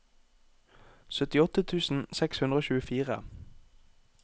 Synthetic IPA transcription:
sœt̪ɪɔt̪ət̪ʰʉːsn̩sɛkshʉnd̪ʁoːçʉːəfiːʁə̰

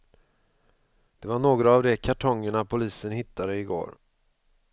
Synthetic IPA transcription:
d̪̥ɛvaɳoːɡɾaːvd̪ɛkʰaʈʰɔŋːəɳapʰʊliːsənhɪt̪ːad̪əɪɡo̰ːɾ

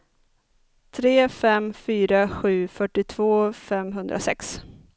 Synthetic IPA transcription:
t̪ʰɾeːfɛmfyːɾaɧʉ̟ːfœʈːɪt̪ʰvoːfɛmɦɵnd̪ɾʔa̰sɛ̰ks

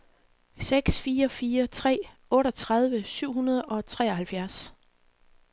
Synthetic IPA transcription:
seɡ̥sfiːɐfiːɐt͡sʰʁɛ̰ː | ɔ̽ːɾɒt͡sʰʁäð̞ˠʋəsyʊ̰ɦunɐð̞ˠʔɒ̽t͡sʰʁɛ̰ːɒhælfjæɐs

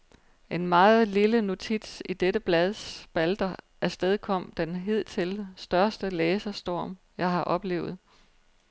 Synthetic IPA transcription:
ʔe̝nmɑ̈ːð̩ˠliləno̝t͡sʰid̥sid̥eɾəb̥lɛð̞ˠsb̥æld̥ɐ | ʔæɐsd̥eð̞ˠkʰɒ̽m̰d̥enɦe̝ð̞̰ˠt͡sʰe̝lsd̥ɶɐsd̥əleːsɐsd̥ɒ̰ːm | jɑ̈ɪɦɑ̈ʔɒ̽b̥le̝̰ːʊð̞̩ˠ

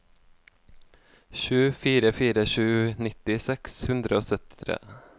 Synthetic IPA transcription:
ʃʉːfiːɾəfiːɾəʃʉːnɪt̪ɪsɛkshʉnd̪ɾəoːsœt̪ɪ̥t̪ʰɾḛː

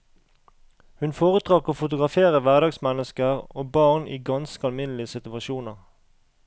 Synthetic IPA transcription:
hʉnfoːʁət̪ʁɑkoːfʊt̪ʊɡʁɑfeːʁəʋæʁd̪ɑːɡsmɛnəskəʁoːbɑːʁnḭːɡɑnskəɑlmɪnlɪəsɪt̪ʉɑʃuːnəʁ

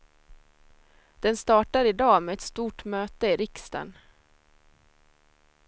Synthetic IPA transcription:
d̪̥ɛnst̪ɑːʈaɾɪd̪ɑːmeːɛt̪st̪uːʈmøːt̪əɪɾɪkst̪a̰n

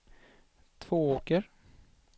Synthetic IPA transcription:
t̪ʰv̥oːoːkəɾ

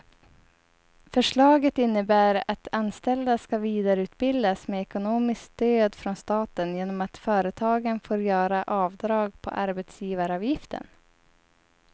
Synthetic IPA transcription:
fœʂɭɑːɡət̪ɪnːəbæːɾat̪ʰanst̪ɛld̪askaviːd̪aɾʉ̟ːt̪̚bɪld̪asmeːɛkʊnoːmɪskd̪̥øːd̪fɾɔnst̪ɑːt̪ənjeːnɔmat̪fœːɾət̪ʰɑːɡənfoːɾjœːɾaʔɑːvd̪ɾɑːɡpʰɔ̰ʔaɾbɛt̪sjiːvaɾɑːvjɪft̪ə̰n

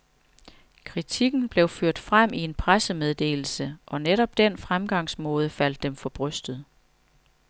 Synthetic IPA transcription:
kʰʁit͡sʰiɡ̥n̩b̥le̝ʊføɐ̰d̥fʁam̰ʔie̝npʰʁasəmeð̞ˠd̥e̝̰ːl̩səʔɒ̽neɾɒ̽b̥̚d̥enfʁamɡ̥ɑ̈ŋ̰smɔːð̞ˠəfæl̰d̥ːemfɒ̽b̥ʁœsd̥ð̩ˠ

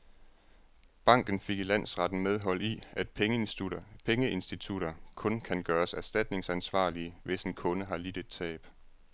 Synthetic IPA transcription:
b̥ɑ̈ŋ̰ɡ̥n̩fe̝ɡ̥ilæn̰sʁɑ̈d̥n̩með̞ˠɦɒ̽l̰iæd̥pʰeŋuɐpʰeŋəe̝nsd̥it͡sʰuɾɐkʰɔ̽nkʰænɡ̥ɶːɐsæɐsd̥æd̥ne̝ŋsænsʋɑ̰̈ːliəʋe̝senkʰɔ̽nəɦɑ̈lid̥ed̥t͡sʰɛ̰ːb̥

